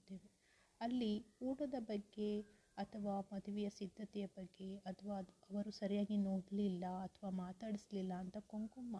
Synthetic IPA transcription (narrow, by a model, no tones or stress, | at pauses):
d̪eːʋe | ɐlːiuːʈɐd̪ɐbɐɡːe̞ | ɐt̪ʰɐʋaːmɐd̪ʱuʋɛjɐsid̪ʱːɐt̪ɛjɐbɐɡːe̞ɐt̪ʰɐʋaːɐʋɐɾusɐɾijaːɡinoːɽlilːɐɐt̪ʰʋaːmaːt̪aːɽisɐlilːɐːnt̪ɐkoŋkomːa